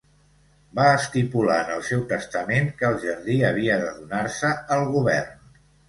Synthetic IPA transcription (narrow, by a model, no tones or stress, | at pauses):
baəst̪ipula̰nəlˠsɛwt̪əst̪əmeŋkəːlˠʒəɾðiəβ̞iəðəðunaɾsəəlˠɣuβɛ̰rn